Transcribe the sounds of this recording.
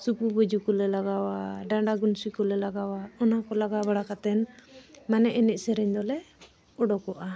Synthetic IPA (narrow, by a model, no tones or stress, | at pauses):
supubəd͡ʒukɔlɛlaɡawaɖaɳɖaɡunsikɔlɛlaɡawaɔnakɔlaɡabaɽakat̪ɛnmanɛʔɛnɛc̚sɛɾɛɲd̪ɔlɛ | ɔɖɔkɔʔa